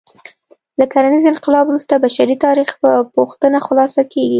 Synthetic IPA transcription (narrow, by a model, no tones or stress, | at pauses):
lakaɾanizɪnqɪlɑbɾust̪abaʃaɾit̪ɑɾixpəpuxt̪ənaxʊlɑsakʰeɡi